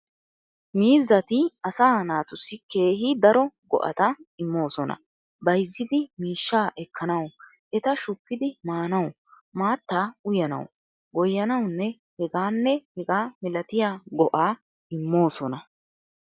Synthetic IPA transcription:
miːzːɐt̪ɪɐsaːnaːt̪ʊsːɪke̞ːhɪd̪ɐɾɔɡɔ̰ʔɐ̰t̪ɐɪmːo̞ːsɔnɐ̰ | bɐjzːɪd̪ɪmiːʃːaːʔɛkːɐnɐw | ʔɛt̪ɐʃʊkːɪd̪ɪmaːnɐw | maːt̪ːaːʊjɐnɐ̰w | ɡɔjːɐnɐwnːɛ | hɛɡaːnːɛhɛɡaːmɪlɐt̪ɪjaɡɔʔaː | ɪmːo̞ːsɔnɐ

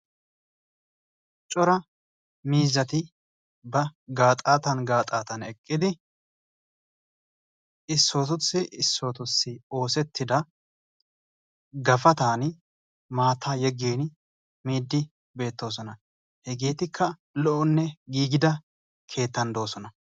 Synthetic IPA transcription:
t͡ʃʼɔɾɐ | miːzɐt̪ɪ | bɐɡaːt̪ʼaːt̪ɐnɡaːt̪ʼaːt̪ɐnɛkʼːɪd̪ɪ | ɪsːo̞ːt̪ʊsːɪʔɪsːo̞ːt̪ʊsːɪo̞ːsɛt̪ʰːɪd̪ɐ | ɡɐfɐt̪aːn | maːt̪ʰːaːjɛɡːeːn | miːd̪ːɪ | be̞ːt̪ːo̞ːs̬ɔnɐ | hɛɡeːt̪ɪkʰːɐ | lɔʔɔnːɛɡiːɡɪd̪ɐ | kʰe̞ːt̪ːɐnd̪o̞ːsɔnɐ

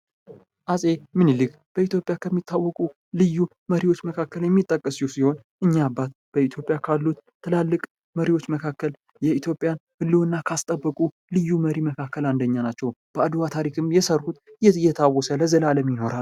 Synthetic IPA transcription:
ʔasʼe̞mɨnilɨk | b̥əit̪ʰjo̞pʼjakʰəmːit̪ʰːawːɔkʼu | lɨjːu | məɾiwo̞t͡ʃːməkʰakːəljɛmːit̪ʼːəkʼːəsjusiho̞nʔɨɲːabːat̪b̥əit̪ʰjo̞pʼjakʰalːut̪t̪ʰːɨlalːɨkʼ | məɾiwo̞t͡ʃːməkʰakːəl | jɛit̪ʰjo̞pʼjanhɨlːɨwɨnːakʰast̪ʼəbːəkʼu | lɨjːuməɾiməkʰakʰːəland̪əɲːanat͡ʃːɛwb̥əad̪wat̪ʰaɾikʰɨmjɛsərhut̪jɛt̪ʰawːɔsələzəlaləmjɪno̞ɾal

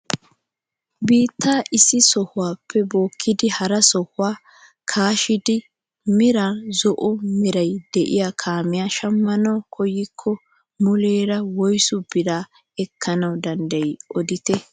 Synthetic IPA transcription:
biːt̪ʰːaːʔɪsːɪsɔhʊwaːpʰːɛbo̞ːkʰːɪd̪ɪhɐɾɐsɔhʊaː | kʰaːʃɪd̪ɪ | mɪɾaːzɔʔɔmɪɾɐjd̪̥ɛʔɪ̰jakʰaːmɪjaːʃɐmːɐnɐwkʰɔjɪkʰːɔ | mʊleːɾɐwɔjsʊb̥ɪd̪aː | ɛkʰːɐnɐwd̪ɐnd̪ɐjʔɔd̪ɪt̪ɛ

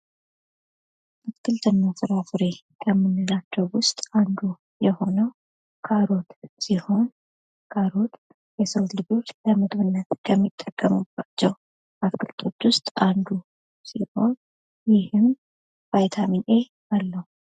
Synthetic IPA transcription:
ʔatkʰɨlt̪ʰɨnːasɨɾafɨɾe̞kʰəmːɨnːɨlat͡ʃːəwʊst̪ʼand̪u | jɛho̞nəw | kʰaɾo̞t̪siho̞n | kʰaɾo̞t̪ | jɛsəwlɨbut̪ləmɨɡβɨnːət̪kʰəmːit̪ʼːəkʼːəmɨb̥at͡ʃːɛw | ʔat̪kʰɨlt̪ʰo̞t̪ːwʊst̪ʼʔand̪u | siho̞n | jɪhɨm | v̥ajt̪ʰaminʔe̞ | ʔalːəhu

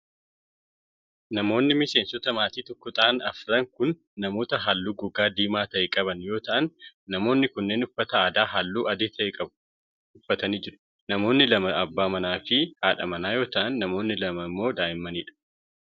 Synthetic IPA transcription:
nɐmo̞ːnːɪmɪseːnsɔt̪ɐmaːt̪iːt̪ɔkːʊt̪ʼaːnɐfɾɐŋkʊnː | ɐmo̞ːt̪ɐɦaːlːuːɡʊɡaːd̪iːmaːt̪ɐʔɛkʼɐbɐnjo̞ːt̪ɐʔɐnː | ɐmo̞ːnːɪkʊnːe̞ːnʊfːɐt̪ɐaːd̪aːɦalːuːʔɐd̪eːt̪ʰɐʔɪkʼɐb | ʊfːɐt̪ɐniːd͡ʒɪɾʊ̥ | nɐmo̞ːnːɪlɐmɐɐbːaːmɐnaːfɪhaːᶑɐ̰mɐnaːjo̞ːt̪ɐʔɐnːɐmo̞ːnːɪlɐmɐmːo̞ːd̪aːʔɪmːɐniːᶑɐ̥

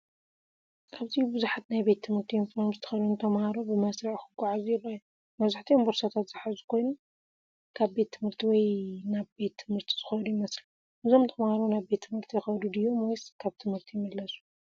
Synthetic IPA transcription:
ʔaβzijbɨzuħat̪najbe̞t̪ʰːɨmhɨɾt̪ʰiɪnfmzɨt̪ʰɐ̥xɐd̪unt̪ʰɐmhaɾobɨmɐsɾɐʕxɨɡːuʕazujɪraju | mɐβzaħt̪ʰiombɨɾsat̪ʰat̪z̥ɨħazu̥kʰo̞jnum | kʰaβbe̞t̪ʰːɨmhɨɾt̪ʰiwɔjnaβbe̞t̪ʰːɨmhɨɾt̪ʰi̥z̥ɨxɐd̪ujimɐsli | ʔɨzomt̪ʰɐmhaɾonaβbe̞t̪ʰːɨmhɨɾt̪ʰijɪxɐd̪ud̪ɨjːo̞mɔjskʰaβt̪ʰɨmhɨɾt̪ʰijmɨlːɐsu̥

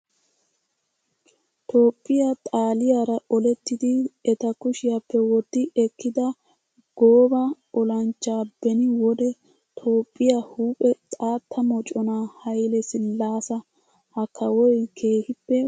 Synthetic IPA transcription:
t̪o̞ːpʼːɪjat̪ʼaːlɪjaːɾɐʔɔlɛt̪ːɪd̪ɪɛt̪ɐkʊʃɪjapːɛwɔt̪ːɪɛkːɪd̪ɐ | ɡ̥oːbɐ | ɔlɐnt͡ʃːaːbɛnɪwɔd̪ɛ | t̪ʰo̞ːpʼːɪjahuːpʼɛt̪ʼaːt̪ʰːɐmɔt͡ʃʼɔnahɐjlɛsɪlːaːsɐ | hɐkʰːɐwɔjkʰe̞ːhɪpːɛ

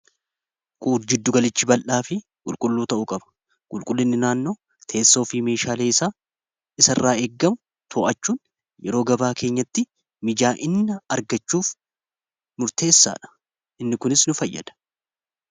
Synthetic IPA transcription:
kʼuːd͡ʒɪd̪ːʊɡɐlɪt͡ʃːɪbɐlʔaːfɪ | kʼʊlkʼʊlːuːt̪ɐʔʊkʼɐbɐ̥ | kʼʊlkʼʊlːɪnːɪnaːnːo̞ː | t̪ʰe̞ːsːo̞ːfiːme̞ːʃaːle̞ːɪsaː | ɪsɐrːaːe̞ːɡːɐmʊ | t̪ʰoːʔɐt͡ʃːuːn | jɛɾo̞ːɡɐbaːkʰeːɲːɐt̪ːɪ | mɪd͡ʒaːʔɪnːɐɐɾɡɐt͡ʃːuːf | mʊɾt̪e̞ːsːa̰ːᶑɐ̥ | ʔɪnːɪkʊnɪsnʊfɐjːɐ̰d̪̥ɐ̥

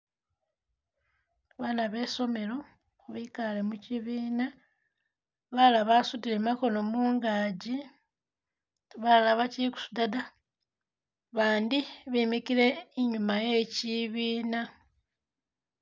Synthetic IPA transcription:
βaːnaβe̞so̞me̞ɾo̞ | βikalemuciβiːna | βalaβasutiɾemako̞no̞muːŋɡaːɟi | βalaβaciku̥su̥dada | βaːndiβimikiɾe̞ːɲumaje̞ciβiːna

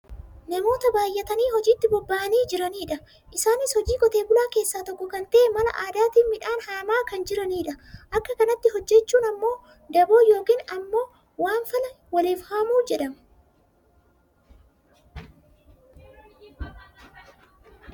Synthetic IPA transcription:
nɐmo̞ːt̪ɐbaːjːɛt̪ɐniːhɔd͡ʒiːt̪ːɪbɔbːaʔɐniːd͡ʒɪɾɐniːᶑɐ | ʔɪsaːnɪshɔd͡ʒiːkʼɔt̪e̞ːbʊlaːke̞ːsːaːt̪ɔkːʊkɐnt̪ɐʔɛmɐlɐ̰ʔaːd̪aːt̪iːmɪᶑaːnhaːmaːkɐnd͡ʒɪɾɐniːᶑɐʔɐkːɐkɐnɐt̪ːɪɦɔd͡ʒːɛt͡ʃːuːnɐmːo̞ː | d̪ɐbo̞ːjo̞ːkiːnɐmːo̞ː | waːnfɐlɐ | wɐleːfhaːmuːd͡ʒɛᶑɐm

